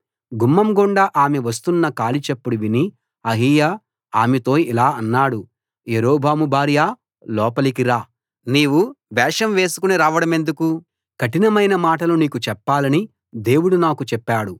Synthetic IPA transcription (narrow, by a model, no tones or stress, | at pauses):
ɡumːɐmɡoɳɖaʔaːmeʋɐs̬t̪unːɐkaːlit͡ʃepːuɽuʋini | ɐɦiːjaː | aːmet̪o̞ːilaːɐnːaːɽu | jeɾoːbʱaːmubʱaːɾijaː | lɔːpɐlikiɾaː | niːʋuʋɛːʂɐmʋe̞ːsu̥kuniɾaːʋɐɽɐme̞nd̪uku | kɐʈinɐmɐjnɐmaːʈɐloːniːkut͡ʃɛpːaːlɐni | d̪e̞ːwuɽunaːkut͡ʃɛpːaːɽu